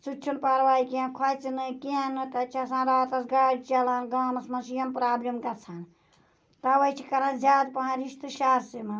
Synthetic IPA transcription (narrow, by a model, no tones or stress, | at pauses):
sut͡ʃʰunpaɾʋaːikãnkʰɐt͡sinɨkeanɨt̪ɐt͡ʃʰɐsãːɾaːt̪ɐsɡaːɽt͡ʃɐlaːnɡaːmɐsmɐsijɐmpɾaːblʲɐmkɐt͡sʰan | t̪ɐʋɐt͡ʃʰikɐɾɐ̃nzʲaːd̪pɐɦãɾiʃt̪ɨʃaːɾsemɐ